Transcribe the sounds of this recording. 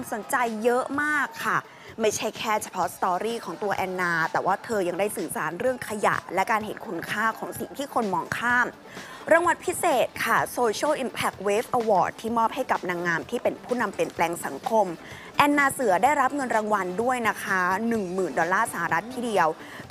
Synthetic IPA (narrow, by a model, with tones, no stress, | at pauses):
kʰʷaː˧mso˨˩˦nt͡ɕa˧jːɤ˦˥maː˥˩kʰːa˥˩ | ma˥˩jt͡ɕʰa˥˩jkʰɛː˥˩t͡ɕʰḁ˧pʰɔ˦˥sḁ˧t̪ɔː˧ɾiː˥˩kʰɔː˩˦ŋt̪u˧ɐʔɛː˧nːaː˧t̪ɛː˨˩waː˥˩t̪ʰɤː˧ja˧ŋdaː˥˩jsɯː˨˩sa̰ː˩˦nɾɯ˥˩əŋkʰa˧ja̰˨˩ʔlɛ˦˥kaː˧nhḛ˨˩˦nkʰu˧nkʰaː˥˩kʰɔː˩˦ŋsi˨˩ŋt̪ʰiː˥˩kʰo˧nmɔː˧ŋkʰaː˥˩m | ɾaː˧ŋwa˧npʰi˦˥seː˨˩t̪̚kʰa˥˩soː˧t͡ɕʰlʔi˧npʰɛ˨˩k̚weː˦˥fʔa˧wɔː˨˩d̚t̪ʰːiː˥˩mɔː˥˩p̚ha˥˩jka˨˩p̚na˧ŋːaː˧mt̪ʰiː˥˩pe˧npʰuː˥˩na˧mpi˨˩ənplɛː˧ŋsa̰˨˩˦ŋkʰo˧m | ʔɛː˧nːaː˧sɯ˩˦ɐdaː˥˩jɾa˦˥p̚ŋɤ˧nɾaː˧ŋwa˧ndu˥˩əjna˦˥kʰa˦˥nɯ˨˩ŋmɯː˨˩ndɔː˧lːaː˥˩sa˧˩ha˨ɾa˦˥t̪ʰːiː˥˩di˧əw